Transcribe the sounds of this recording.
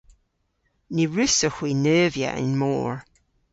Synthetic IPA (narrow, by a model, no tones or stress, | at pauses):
niɹʉsəhwinœːvjə̰ʔɪ̰̃nmo̰ːɹ